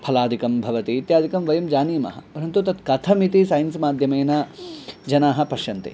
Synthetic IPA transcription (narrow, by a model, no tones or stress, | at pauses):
pʰɐlaːd̪ʱikɐmbʱɐʋɐt̪iːt̪jaːd̪ʱikɐmʋɐjɐmd͡ʒaːniːmɐ̰ɦɐ̰pɐɾɐnt̪ut̪ɐt̪kɐt̪ʰɐmit̪isaːjɐnsmaːd̪ʱjɐmeːnɐd͡ʒɐnaːɦɐ̆pɐʃjɐnt̪ḛ